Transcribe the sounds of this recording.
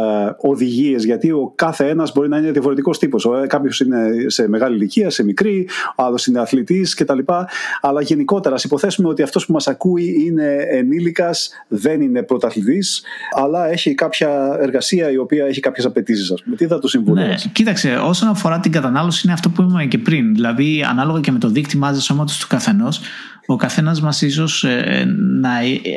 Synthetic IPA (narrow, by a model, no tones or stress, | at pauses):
o̞ðiʝie̞zʝɐt̪io̞kɐθe̞e̞nɐzbo̞ɾinɐine̞ðiɐfo̞ɾe̞t̪iko̞st̪ipo̞sokɐpço̞sine̞se̞me̞ɣɐliliciɐse̞mikɾioɐlo̞sine̞ɐθlit̪isce̞t̪ɐlipɐɐlɐʝe̞niko̞t̪e̞ɾɐːsipo̞θe̞sumeo̞t̪iɐft̪o̞spumɐsɐkuiine̞ːnilikɐs | ðe̞nine̞pɾo̞t̪ɐθliðisɐlɐe̞çikɐpçɐe̞ɾɣɐsiɐio̞piɐe̞çikɐpçe̞sɐpe̞t̪is̬isɐspumet̪iðɐt̪usiɱvulescit̪ɐkseo̞so̞nɐfo̞ɾɐt̪iŋɡɐt̪ɐnɐlo̞siineɐft̪o̞puimumece̞pɾinðilɐðiɐ̰nɐlo̞ɣɐceme̞t̪o̞ðikt̪imɐzeso̞mɐt̪u̥st̪u̥kɐθe̞no̞s | o̞kɐθe̞nɐzmɐsiso̞s | nɐ